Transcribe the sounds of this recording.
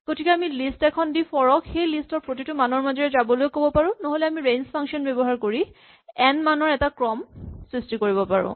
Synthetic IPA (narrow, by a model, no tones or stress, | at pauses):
ɡ̥otʰikɛamilistɛkʰɔndipʰɔɹɔkxejlistɔɹpɹot̬itʊmanɔɹmazɔɹɛzabɔlojkobɔpaɹʊ̃noɦolɛamiɹejnspʰãŋkʃɔnbɛbɔɦaɹkoɹi | ɛnmanɔɹɛtakɹɔmsɹistikoɹibɔpa̰ɹʊ̰̃